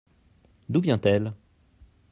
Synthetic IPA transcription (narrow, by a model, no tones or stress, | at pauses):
d̪uvjɛ̃t̪ɛl